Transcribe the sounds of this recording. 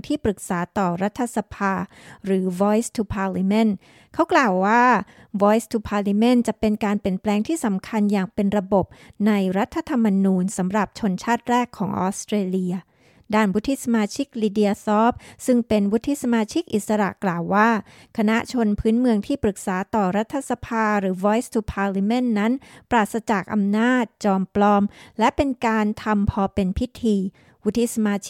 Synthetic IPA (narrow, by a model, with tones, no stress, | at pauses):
ŋt̪ʰiː˥˩pɾɯ˨˩k̚saː˩˦t̪ɔː˨˩ɾa˦˥t̪ʰːa˧sa˧pʰaː˧ | ɾɯː˩˦wɔː˦˥jst̪ʰu˧pʰaː˧li˧me˥˩n | kʰa˦˥wklaː˨˩wːaː˥˩ | wɔː˦˥jst̪ʰu˧pʰaː˧li˧me˥˩˨nt͡ɕa˨˩pe˧nkaː˧npi˨˩ənplɛː˧ŋt̪ʰiː˥˩sa˩˦mkʰa˧njaː˨˩ŋpe˧nɾa˧bo˨˩p̚na˧jɾa˦˥t̪ʰːa˧t̪ʰa˧mːa˧nuː˧nsa˩˦mɾa˨˩p̚t͡ɕʰo˧nt͡ɕʰaː˥˩t̪̚ɾɛː˥˩kʰːɔː˩˦ŋʔɔ̰ː˨˦˥st̪ɾeː˧li˧ɐ | daː˥˩nwu˦˥t̪ʰːiː˥˩sa˧maː˧t͡ɕʰi˦˥k̚liː˧di˧ɐ˧sɔː˦˥p̚sɯ˥˩ŋpe˧nwu˦˥t̪ʰːi˧˥sa˧maː˧t͡ɕʰi˦˥k̚ʔi˨˩t̪̚sa˧ɾa̰˨˩ʔklaː˨˩wːaː˥˩ | kʰa˧na˦˥ʔt͡ɕʰo˧npʰɯː˦˥nmɯ˧əŋt̪ʰiː˥˩pɾɯ˨˩k̚saː˩˦t̪ɔː˨˩ɾa˦˥t̪ʰːa˧sa˧pʰaː˧ɾɯː˩˦wɔː˦˥jst̪ʰu˧pʰaː˧li˧me˥˩nːa˦˥npɾaː˨˩t̪̚sa˧t͡ɕa˨˩k̚ʔa̰˧mnaː˥˩t̪̚t͡ɕɔː˧mplɔː˧mlɛ˦˥pe˧nkaː˧nt̪ʰa˧mpʰɔː˧pe˧npʰi˦˥t̪ʰiː˧ | wu˦˥t̪ʰːi˧˥sa˧maː˧